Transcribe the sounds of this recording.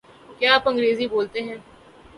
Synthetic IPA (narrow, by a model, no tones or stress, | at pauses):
kjaːaːpɐ̃ŋɡɾeːziboːlt̪eɦɛ̃ː